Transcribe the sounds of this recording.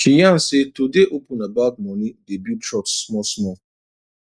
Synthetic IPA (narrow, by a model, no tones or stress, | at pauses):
ʃijãn̩sɪtudeʔopunabad̚mɔ̃nidebjutʰɾɔksːmɔsmɔ